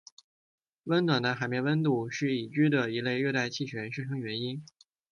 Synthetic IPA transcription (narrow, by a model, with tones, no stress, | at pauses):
wə˥nt̪wa˨˩nd̪ə˧˦xa˧˩ɪmjɛ˥˩nwə˥nt̪u˥˩ʂɻ̩˥˩i˨˩t͡ɕy˥d̪ə˨i˧˥le˥˧ɪɥø˥˧t̪a˥˧ɪt͡ɕʰi˥˩ɕɥɛ˧˥nʂʈ͡ʂʰɤ˥ŋɥɛ˧˥ni˥n